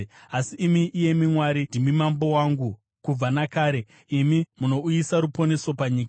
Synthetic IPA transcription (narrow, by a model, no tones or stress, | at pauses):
asiːmiʔije̞mimwaɾindimimambo̞waːŋɡu | kub͡vanakaːɾe̞ | imimuno̞ujisaɾupo̞ne̞so̞paɲiːka